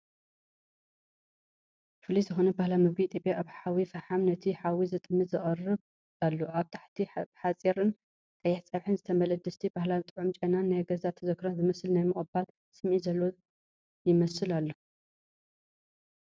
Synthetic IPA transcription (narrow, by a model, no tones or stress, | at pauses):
fɨlizɨxo̞nɐbahlamɨβɡit̪ʼepʼjaʔaβħawifɐħamnɐt̪ʰiħawizɨt̪ʼɨmːɨt̪zɨχʼɐrɨβ | alːoʔaβt̪ʰḁħt̪ʰiħat͡sʼiɾɨn | t̪ʼɐjːɛħt͡sʼɐβħɨnzɨt̪ʰɐmɐlɐd̪ɨst̪ʰibahlazt̪ʼɨʕʊmt͡ʃʼɐnanːajɡɐzat̪ʰɐzɐkʰɾɐzɨmɐsɨlnajmɨχʼbal | sɨmʔizɐlːo | jɪmɐsɨlalːo